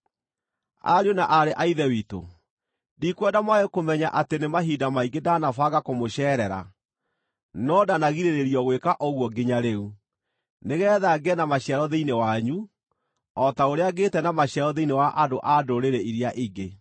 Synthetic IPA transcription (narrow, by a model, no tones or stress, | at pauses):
a̰ɾeonaʔaɾeʔaiðɛwiːto̰ | dikwɛdamwaekomɛɲaʔatenemaɦiːdamaiɡedanafaɣakomoɕɛːɾɛɾa̰ | nɔdanaɣiɾeɾeɾiɔɣwekaʔoɣwɔɡeɲaɾeu | neɣɛːðaɡɛnamaɕjɛɾɔðeinewaɲu | ɔtaoɾeaɡetɛnamaɕɛɾɔðeinewaʔadoʔadoɾeɾɛiɾiaʔiɡe